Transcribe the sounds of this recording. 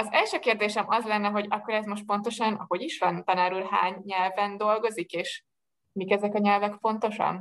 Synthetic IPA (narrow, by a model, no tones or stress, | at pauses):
ɒzɛlʃøːkeːrd̪eːʃɛmɒzlɛnːɛɦo̞ɟɒkːo̞ɾɛzmo̞ʃt̪̚po̞nt̪o̞ʃɒnɒho̞ɟiʃʋɒnt̪ɒnaːɾulɦa̰ːɲːɛlvɛnd̪o̞lɡo̞zikeːʃ | mikɛzɛkɒɲɛlvɛkfo̞nt̪o̞ʃɒ̰n